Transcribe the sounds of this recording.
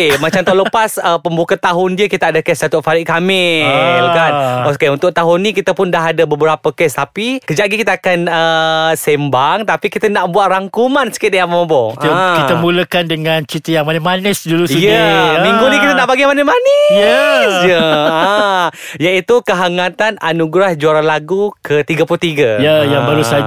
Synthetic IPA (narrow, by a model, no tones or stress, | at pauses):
emat͡ʃamt̪oləpasəpəmbukat̪aɦʊndiəkit̪aadakɛsdat̪ʊʔ̚faɾɪʔkamɪlkanaskaunt̪ʊʔ̚t̪aɦʊnːĩkit̪əpʊndaɦadabəbəɾapəkɛst̪apikəd͡ʒaʔɡikit̪aakanəsembaŋt̪apikit̪ənaʔbuat̪̚raŋkumansə̥kit̪̚dajamobɔkit̪əkit̪əmuləkandəŋant͡ʃit̪əjaŋmanəhmanəsduluujmiŋɡunikit̪ənaʔpaɡimanəmanəjɛsjəə | jait̪ukəɦaŋãt̪ananuɡɾahd͡ʒuaɾalaɡukʰət̪iɡəplut̪iɡajajaŋbaɾusa